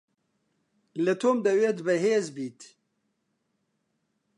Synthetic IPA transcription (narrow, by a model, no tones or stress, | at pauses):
lɨt̪ʰoːmd̪ɐweːt̪bɨɦeːzbiːt̪